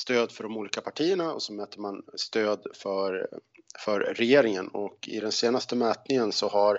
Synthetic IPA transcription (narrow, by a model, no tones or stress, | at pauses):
st̪øːd̪fœɖɔmuːliːkapʰaʈʰiːəɳaɔ̰sɔmɛːt̪ːəmanst̪øːd̪fœɾfœɾːɛjeːɾɪŋənɔkɪ̰d̪ɛnseːnast̪əmɛːt̪nɪŋənsɔɦaɾ